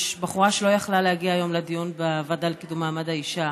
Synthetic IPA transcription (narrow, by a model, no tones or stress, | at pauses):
ʃbaχuʁaʃelo̞jaχlalehaɡiaːjo̞mled̪ijunbevad̪alkid̪umaːmad̪aiʃa